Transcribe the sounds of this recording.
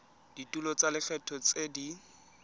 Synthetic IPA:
d̥itʼulɔt͡salɪfɛtʰɔt͡sedi

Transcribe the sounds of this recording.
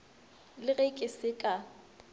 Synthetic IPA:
lɪɣekʼɪsɪkʼa

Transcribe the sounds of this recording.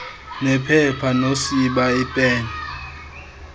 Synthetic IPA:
nɛpʰɛpʰanosiɓaɪpʼɛːnɛ

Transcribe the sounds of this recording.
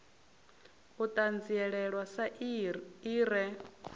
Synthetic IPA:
ut̪ʼand͡ziɛɺɛɺwasa | iːɾɛ

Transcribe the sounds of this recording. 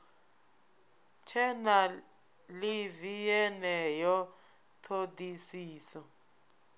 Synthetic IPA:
t͡ʃʰɛna | livijɛnɛjɔ | tʰodisiːsɔ

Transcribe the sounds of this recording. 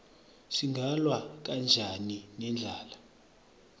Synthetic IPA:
siŋɡʱalwak̬and͡ʒʱaninɛnd͡ɮʱaːla

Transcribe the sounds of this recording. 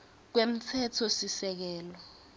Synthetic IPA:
k̬wem̩t͡sʰɛtʰɔsisɛk̬ɛːlɔ

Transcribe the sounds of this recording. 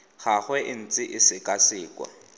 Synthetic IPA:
χaχwɛʔɪn̩t͡sʼɪʔɪsɪkʼasɪːkʼwa̰

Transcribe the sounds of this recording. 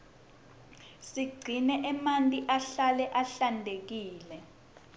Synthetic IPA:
siɡ͡ǀʱinɛʔɛmantʼiʔaɬalɛʔaɬandʱek̬iːlɛ

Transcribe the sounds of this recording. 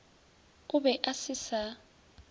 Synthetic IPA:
ubɛʔasisa

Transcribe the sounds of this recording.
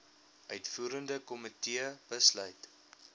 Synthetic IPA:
ʔœɥtfuːɾəndəkɔmətiəb̥əslœjt

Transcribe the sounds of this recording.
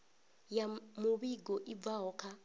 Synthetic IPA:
jamʊβiɡɔʔib̪vaɦɔkʰa

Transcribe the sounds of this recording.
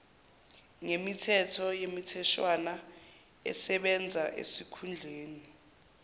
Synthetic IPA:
ŋemitʰɛtʰɔjemitʰɛʃwana | ɛ̰sɛɓɛnd͡zʱaʔḛsikʰund͡ɮʱeːni

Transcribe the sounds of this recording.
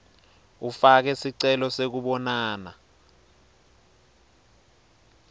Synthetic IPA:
ufak̬ɛsiǀɛlɔsek̬uɓɔnaːna̰

